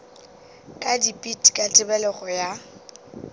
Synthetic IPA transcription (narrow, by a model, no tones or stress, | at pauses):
kʼadipʼitʼkʼatʼɪbɛlɛχɔja